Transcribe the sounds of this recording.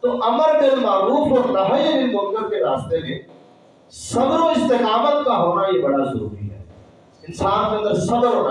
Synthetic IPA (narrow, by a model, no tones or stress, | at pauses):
t̪oʔɐməɾɗɪlmaːɾuːfoɾnɐɦəjənɪnmõːɡ̪əɾkeɾaːst̪emẽː | sɐb̪ɾoɪst̪eːkaːmət̪kãɦoːnaiebɐɽazʊɾṵːɾḭɦɛ̰ | ɪ̃nsaːfkẽnd̪əɾsɐb̪əɾɦoːna